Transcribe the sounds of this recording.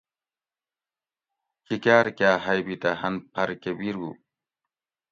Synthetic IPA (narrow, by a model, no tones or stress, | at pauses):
kikaːɾkjaːɦɐjbit̪ɐhɐnpʰɐɾkebiɾɡṵ